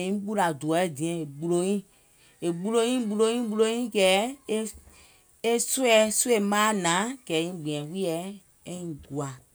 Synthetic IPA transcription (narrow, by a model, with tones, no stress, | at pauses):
ĩ˦ɓu˦ɾa˨du˨ɔ˨˦˨dĩ˨ɛ̃˨e˨ɓu˧lo˧˦jĩ˦ | e˨ɓu˦lo˧˦ĩ˦ɓu˧lo˦jĩ˦ɓu˧lo˧˦jĩ˦ɡɛ˨˦e˦ | e˦su˦ɛ˧˦su˦e˦˨mãː˦nã˨˦ɡ̥ɛ˨˦ĩ˦ɡ͡bĩ˨ɛ̃˨wi˦ɛ˨˦ | e˦ĩ˨ɡu˨a˨